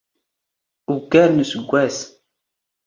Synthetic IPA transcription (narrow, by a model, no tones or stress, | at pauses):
ukːæɾnusəɡʷːæs